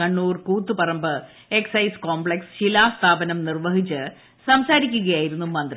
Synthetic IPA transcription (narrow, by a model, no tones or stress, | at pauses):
ɐɳːuːrkuːt̪ːupɐrɐmbɨ | eksɐjsko̞ːmbɭeksɕilaːst̪ʰaːbɐnɐmnirʋɐɦit͡ɕːɨ | sɐmsaːɾikʲːuɣɐjaːjiɾunːumɐnd̪ri